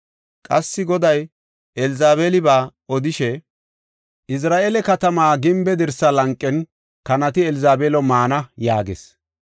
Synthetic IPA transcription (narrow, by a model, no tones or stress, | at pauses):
kʼɐsːɪɡɔd̪ɐj | ʔɛlɪzaːβeːlɪbaːɔd̪ɪʃɛ | ʔɪs̬ɾaːʔeːlɛkɐt̪ɐmaːɡɪmbɛd̪ɪɾsɐlɐŋkʼːɛn | kɐnɐt̪ɪɛlɪzaːbeːlɔmaːnɐjaːɡḛs